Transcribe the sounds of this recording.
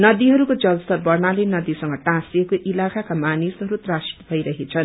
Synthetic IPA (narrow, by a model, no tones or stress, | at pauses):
nʌd̪iɦʌɾukod͡zʌlst̪ʌrbʌrnalenʌd̪isʌŋɡʌʈãsekoʔilakakamanisɦʌɾut̪rasi̥t̪bʱʌjɾʌɦet͡sʰʌn